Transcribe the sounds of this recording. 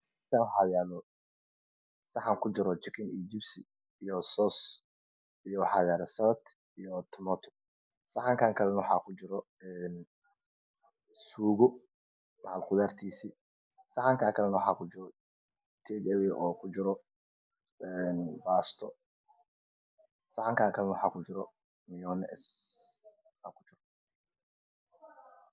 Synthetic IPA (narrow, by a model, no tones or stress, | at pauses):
tʰaːnwɑħaːjaðɔ | sɐħaŋkʰʊt͡ʃɪɾɔt͡ʃɪkʰɪnijd͡ʒɪbsi | ijɔsɔːs | ijɔwɑħɑːjaːðɔsɐɐt̪ | ijɔt̪ʰɔmɔt̪ʰɔ̥ | sɐħɑŋkʰaːŋkʰɐlɛnɐwɑħɑ̰ːkʰʊt͡ʃɪɾɔ | ɛn | suːɣɔ | mɐʕalqʊðaːrt̪ʰiːsiː | sɐħɑŋkʰaːkʰɐlɛnɐwɑħɑːkʰʊd͡ʒɪɾɔ | t̪ʰɛːɡɛwɛʔɔːkʰʊd͡ʒɪɾɔ | ɛnbaːst̪ʰɔ | sɑħaŋkʰaːŋkʰɐlɛnɐwħɑ̰ːkʰʊd͡ʒɪɾɔ | mɪjɔːnɛ̰s | aːkʰʊ̥t͡ʃɪɾɔ